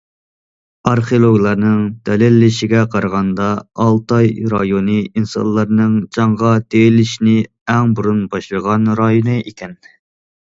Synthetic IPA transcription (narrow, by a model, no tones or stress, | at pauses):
ɑɾχeolˠoɡlˠɑɾnɨŋd̪̥ɛlɪlːɪʃɪɡʲɛqʰɑɾʁɑnd̪ɑːlˠt̪ɑjɾɑjonɨinsɑ̰nlˠːɑɾnɨŋt͡ʃʰɑŋʁɑt̪elɪʃnɪ | ɛŋbuɾunbɑʃlˠəʁɑnɾɑjonɨikʲɛn